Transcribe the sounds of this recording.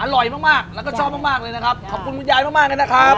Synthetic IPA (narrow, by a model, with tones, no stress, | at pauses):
ʔa˧lɔ˨˩jmaː˥˩k̚maː˥˩k̚lɛː˦˥kɔː˥˩t͡ɕʰɔː˥˩p̚ma˥k̚maː˥˩k̚lɤː˧jna˦˥kʰa˦˥p̚kʰa˨˩p̚kʰu˧nku˦˥n̚jaː˧jmaː˦˥˩kmaː˥˩k̚a˧na˦˥kʰa˦˥p̚